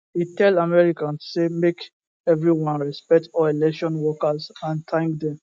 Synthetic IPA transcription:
itɛlamɛɹikãnssemek | ɛvɹiwɔ̃nɹɛspɛk̚tɔelɛkʃɔ̃nwɔkazãntʰãŋk̚dɛ̃m

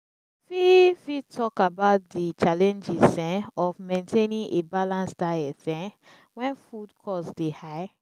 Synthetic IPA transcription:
fifitʰɔkabaʊt̚dit͡ʃalɛ̃nd͡ʒizɛ̃ɔfmẽntʰenĩnʔebalãnsdajɛfɛ̃ | wɛ̃nfudkʰɔsdehaɪ

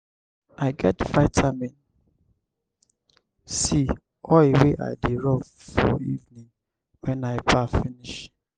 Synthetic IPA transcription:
aɪɡɛtfaɪtʰamɛ̃n | si | ɔleweʔa̰ɪdeɹɔv | fɔ̰ivnĩŋ | wɛ̃naɪbafiniʃ

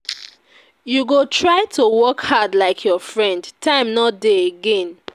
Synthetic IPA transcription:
juɡotʰɹaɪtʰowɔkhadlaɪkʰjɔfɹɛ̃ndtʰãɪ̃mnɔt̚deeɡɛ̃n

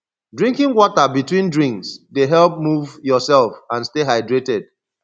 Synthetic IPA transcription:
dɹĩŋkĩŋwɔtabitwĩndɹĩŋksdeɦɛlˠp̚muvjɔsɛlˠfãnsteɦaɪdɹetɛd̥̚

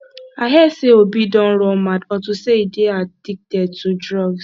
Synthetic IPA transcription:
aɦɛseobidɔ̃n̩ɾɔ̃madɔtuseidead̥ik̚tɛd̚tudɹɔɡs

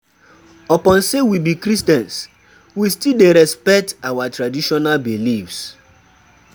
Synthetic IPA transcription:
ɔpɔ̃nsewibikɾistɛ̃ns | wistildeɾɛspɛk̚tawatɾadiʃɔnalbilifs

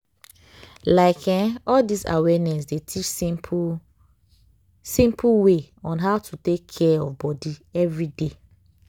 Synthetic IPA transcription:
laɪkʰɛ̃ɔldisa̰wɛnɛs̬detʰit͡ʃ | sĩmpuwe | ɔ̃nɦaʊtʰutekʰːɛɔfbɔdiɛvɹide

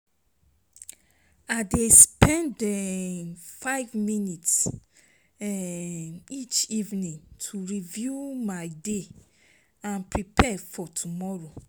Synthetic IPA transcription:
adespɛ̃ndɛ | faɪvminits | ɛ | it͡ʃivnĩŋtʰuɹivjumajde | ãnpɹipʰɛfɔtʰumɔɹo

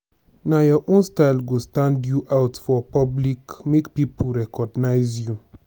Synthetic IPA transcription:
najɔʔõnstaɪlɡostãndjuʔawtfɔpɔblikmekpipulɹɛkɔɡnaɪzju

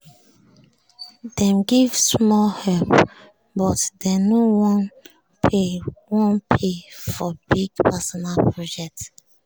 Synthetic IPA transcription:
d̥ɛ̃mɡivsmɔlhɛlp | bɔtdenowɔ̃n | pewɔ̃npʰefɔbiɡpɛsɔnalpʰɹɔd͡ʒɛk̚t

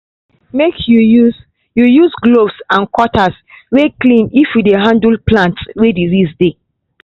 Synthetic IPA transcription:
mekjujuz | jujuzɡlovsãnkwɔtʰas | weklĩnifjudeɦãndulplãntswedizisde

